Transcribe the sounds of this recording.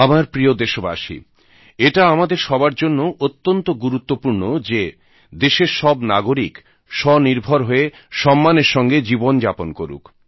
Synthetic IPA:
amaɾpɾijod̪eʃoba̰ʃḭ | eʈaamad̪eɾʃɔbaɾd͡ʑonːoʔot̪ːont̪oɡuɾut̪ːopuɾnod͡ʑe | d̪eʃeɾʃɔbnaɡoɾik | ʃɔniɾbʱoɾɦoe | ʃɔmːaneɾʃɔŋɡed͡ʑibond͡ʑaponkoɾṵk

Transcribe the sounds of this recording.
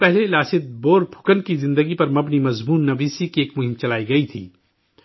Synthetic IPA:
pɛɦlelaːsɪt̪̚boːɾbʰʱʊ̥kənkizɪ̃nd̪əɡipɐɾmɐbnimɐzmuːnːɐʋiːsikieːkmʊɦɪ̃mt͡ʃɐlaːiɡɐit̪ʰḭː

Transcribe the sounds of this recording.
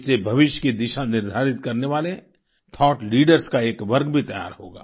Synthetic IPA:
sebʱɐʋɪʃjkid̪ɪʃanɪɾd̪ʱaːɾɪt̪̚kɐɾneʋaːle | t̪ʰɔːʈliːɖəɾskaeːkʋɐɾɡbʱit̪ɐja̰ːɾho̰ːɡa̰ː

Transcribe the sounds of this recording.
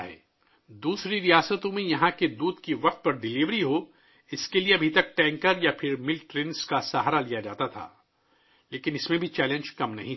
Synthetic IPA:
ɦɛ̰ː | d̪uːsɾiɾijaːsət̪õmẽjɐɦãked̪uːd̪kiʋɐq̚t̪̚pɐɾɖɪliʋɾiɦo | ɪskelieɐbʱit̪ɐk̚ʈɛ̃ːŋkəɾjapʰɪɾmɪlʈɾɪnskasaɦaɾalijad͡ʒaːt̪at̪ʰa̰ː | leːkɪ̃nɪsmẽbʱit͡ʃɛːlẽnd͡ʒkɐmnɐɦĩ

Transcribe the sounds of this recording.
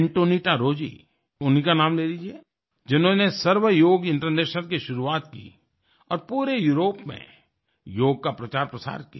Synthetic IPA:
ɳʈoːniʈaɾoːd͡ʒḭ | ʊnɦikanaːmleːlid͡ʒieː | d͡ʒɪnɦõnesəɾʋəjoːɡɪ̃ɳʈəɾneːʃəlkiʃʊɾuaːt̪kḭ | ɔ̰ːɾpuːɾejuːɾoːpmḛ̃ | joːɡ̚kapɾɐt͡ʃaːɾpɾəsa̰ːɾkḭa

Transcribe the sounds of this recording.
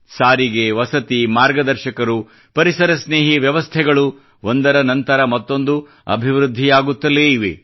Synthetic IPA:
saːɾiɡeʋɐsɐt̪imaːɾɡɐd̪ɐɾʃɐkɐɾu | pɐɾisɐɾɐsneːɦiʋjɐʋɐst̪ʰɛɡɐɭu | ond̪ɐɾɐnɐnt̪ɐɾɐmɐt̪ːo̞nd̪u | ɐ̰bʱiʋɾud̪ʱːijaːɡut̪ːɐleiʋḭ

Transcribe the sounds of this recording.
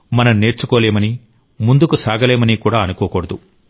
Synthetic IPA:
mɐnɐmne̞ːɾt͡ʃukɔːleːmɐni | mund̪ukusaːɡɐleːmɐnikuːɽaːɐnukoːkɔːɽɐd̪u

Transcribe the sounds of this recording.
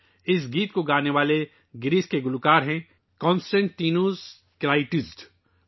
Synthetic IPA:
ɪs̬ɡiːt̪koɡaːneʋaːle | ɡɪɾiːskeɡʊlʊkaːɾɦɛ̃ | kɔ̃ːnsʈɛ̃ɳʈːiːnoːz | kɾaːɪʈɪsʈ

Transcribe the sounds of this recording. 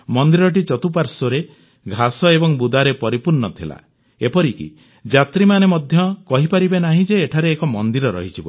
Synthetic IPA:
mɔnd̪iɾɔʈ̬it͡ʃɔt̪upaɾsɔɾe | ɡʱasɔebɔŋbud̪aɾepɔɾipuɾnɔt̪ʰila̰ | epɔɾikḭ | d͡ʒat̪ɾimanemɔd̪ʱjɔkɔɦipaɾibenaɦĩd͡ʒeːʈʰaɾeːkɔmɔnd̪iɾɔɾɔ̰ɦit͡ʃʰibɔ̰

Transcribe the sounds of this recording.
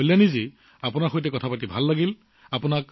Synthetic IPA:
lanizi | apʊnaɹxojtɛkɔtʰapatibʱalːaɡil | apʊnak

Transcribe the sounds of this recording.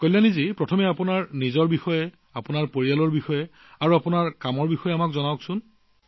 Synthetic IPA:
kojlanizipɹɔtʰɔmɛapunaɹnizɔɹbixɔjɛ | apʊnaɹpoɹijalɔɹbixɔjɛ | aɹuapʊnaɹkamɔɹbixɔjɛamakzɔnaksʊn

